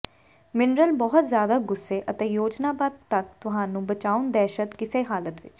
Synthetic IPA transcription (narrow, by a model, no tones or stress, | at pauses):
mɪnɾəlbɔɦʊt̪zjaːd̪aːɡʊsːeːʔət̪ẽːjoːd͡ʒnaːbaːd̪̚t̪ək̚t̪ʊɦãːnũːbət͡ʃaːʊnd̪ɛːʃət̪kɪseːɦaːlət̪ʋɪ̰t͡ʃ